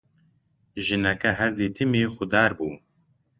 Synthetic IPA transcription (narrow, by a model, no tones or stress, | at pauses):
ʒɨnɛkɛɦɛɾd̪iːt̪ʰɨmiːxʊd̪ɑːɾbuː